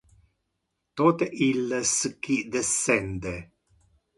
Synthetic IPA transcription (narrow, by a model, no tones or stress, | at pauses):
t̪ot̪eʔilːesəkːid̪esːɛnd̪e